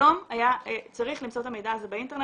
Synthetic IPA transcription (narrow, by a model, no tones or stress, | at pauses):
o̞majaet͡saʁiχlimt͡sot̪ame̞jd̪aːzo̞beint̪e̞ne